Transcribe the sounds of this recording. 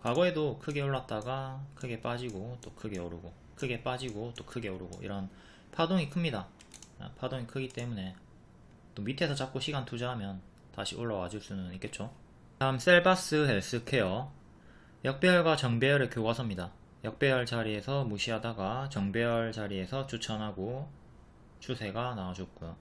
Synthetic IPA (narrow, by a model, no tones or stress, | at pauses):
kwaɡʌe̞dokʰɯɡe̞oɭːat̚t͈aɡakʰɯɡe̞p͈ad͡ʑiɡot͈okʰɯɡe̞oɾɯɡo | kʰɯɡe̞p͈ad͡ʑiɡot͈okʰɯɡe̞oɾɯɡo̰ḭɾʌn | pʰadoŋikʰɯmɲida̰ | pʰadoŋikʰɯɡit͈e̞mune̞ | t͈omitʰe̞sʰʌt͡ɕak̚k͈oɕʰiɡantʰud͡ʑaɦamjʌn | taɕʰioɭːawad͡ʑuɭs͈unɯnik͈e̞t̚t͡ɕ͈o | aɯms͈e̞ɭbas͈ɯɦeɭs͈ɯkʰe̞jo | jʌk̚p͈jejʌɭɡat͡ɕʌŋbejʌɾɯɭkjoɡasʰɯmɲida | jʌk̚p͈jejʌɭt͡ɕaɾie̞sʰʌmuɕʰiɦadaɡat͡ɕʌŋbejʌɭt͡ɕaɾie̞sʰʌt͡ɕut͡ɕʰʌnɦaɡo | t͡ɕʰusʰe̞ɡanaad͡ʑot̚k͈ujo